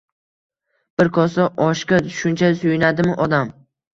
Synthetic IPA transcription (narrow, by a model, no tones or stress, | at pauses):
b̥ɪɾkʰɒsɒʔɒʃkʲaʃʊnt͡ʃʰasʊjɪnad̪ɪmɪʔɒd̪am